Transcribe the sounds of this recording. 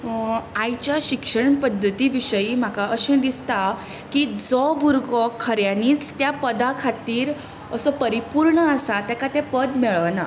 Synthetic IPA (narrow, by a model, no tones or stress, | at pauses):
ajt͡ɕjaɕikʂəɳpəd̪ʱːət̪iʋiɕəim̤akaʔəɕẽd̪ist̪a | kid͡zɔbuɾɡɔkʰːəɾjãniːt͡st̪japəd̪akʰat̪iːɾ | əsəpəɾipuɾɳəasat̪jakat̪ɛ̃pəd̪mɛɭəʋna